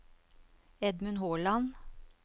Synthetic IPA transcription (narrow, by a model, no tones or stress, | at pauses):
ɛd̪mʉnhoːɭɑn